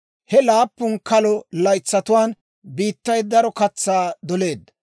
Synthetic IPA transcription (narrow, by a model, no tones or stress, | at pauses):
hɛlaːpːʊnkɐlɔlɐjt͡sːɐt̪ʊwaːn | biːt̪ːɐjd̪ɐɾɔkɐt͡sːaːd̪ɔle̞ːd̪ːɐ